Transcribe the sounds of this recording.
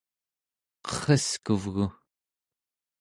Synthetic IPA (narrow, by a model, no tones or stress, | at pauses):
qʌ̥χʌskuvɣu